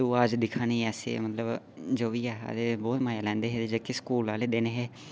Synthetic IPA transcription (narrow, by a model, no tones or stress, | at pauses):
uːad͡ʒd̪ɪkʰanĩːɛːsḛːmət̪ləb | d͡ʒoːʋiːɛːa̰d̪eːbɔːt̪maːjaːlɛ̃ːnd̪eːɦeed͡ʒeːkɪskuːlaːleːd̪eːneːɦeː